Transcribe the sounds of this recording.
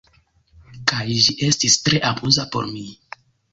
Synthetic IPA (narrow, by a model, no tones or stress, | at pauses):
kajʒiʔe̞stistɾe̞ʔabuzapo̞̰ɾmi